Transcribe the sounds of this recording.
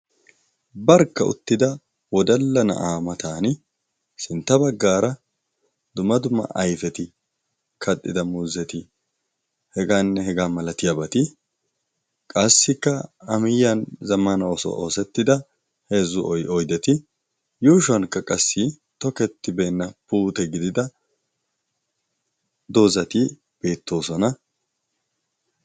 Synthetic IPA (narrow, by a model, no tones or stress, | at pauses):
bɐɾkːɐʊ̰t̪ːɪd̪ɐ | wɔd̪ɐlːɐnɐ̰ʔaːmɐt̪aːn | sɪnt̪ːɐbɐɡːaːɾɐ | d̪̥ʊmːɐd̪ʊmːɐ̰ʔɐjfɛt̪ɪ | kʰɐt̪ʼːɪd̪ɐmuːzɛt̪ɪ | hɛɡaːnːɛhɛɡaːmɐlɐt̪ɪjaːbɐt̪ɪ | kʼɐsːɪkːɐɐmɪjːɐnzɐmːɐnɐɔsɔ̰ʔoːsɛt̪ːɪd̪ɐ | he̞ːzʊʔɔjʔɔjd̪ɛt̪ɪ | juːʃɐnkːɐkʼɐsːɪ | t̪ɔkɛt̪ːɪbeːnːɐpuːt̪ɛɡɪd̪ɪd̪ɐ | d̪o̞ːzɐt̪ɪ | b̥e̞ːt̪ːo̞ːsɔnɐ